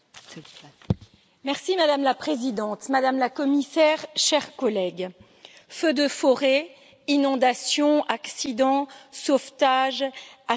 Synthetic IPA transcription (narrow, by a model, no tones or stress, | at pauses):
mɛʁsimad̪amlapχezid̪ɑ̃t̪mad̪amlakɔmisɛʁʃɛʁkɔlɛɡ | fød̪əfɔʁe | inɔ̃d̪asjɔ̃aksid̪ɑ̃soft̪aʒa